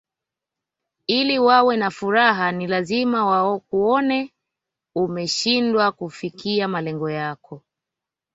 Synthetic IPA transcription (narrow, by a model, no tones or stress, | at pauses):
iliwawɛnafuɾaɦanilazimawaɔkuɔnɛ | umɛʃindwakufikiamalɛŋɡɔjakɔ